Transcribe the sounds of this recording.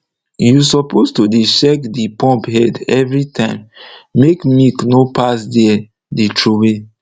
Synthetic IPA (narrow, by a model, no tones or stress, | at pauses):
jusɔpostudeʃɛkdipɔ̃mpɦɛdɛvɹitʰãɪ̃mːekmiknopasdɛɛ | ditʰɹuwe